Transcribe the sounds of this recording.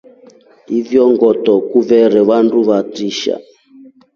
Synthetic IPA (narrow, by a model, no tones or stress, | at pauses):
ivjɔŋɡɔtɔkuvɛɾɛβanduβatiʃa̰